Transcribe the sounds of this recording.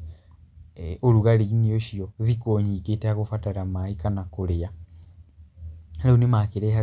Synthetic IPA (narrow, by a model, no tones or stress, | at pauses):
oluɣalinijoʃiozikoːɲiɡeteakufataɾamaikanakulia | leunimakiɾeɦa